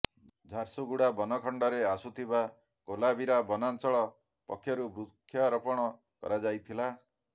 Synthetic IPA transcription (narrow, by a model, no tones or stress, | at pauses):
d͡ʒʱaɾsuɡuɽabɔnɔkʰɔɳɖɔɾeasut̪ʰiba | kolabiɾabɔnansɔɭɔ | pɔ̰kʰːjɔɾubɾukʰːjaɾɔpɔɽ̃ɔ | kɔ̰ɾad͡ʒajt̪ʰila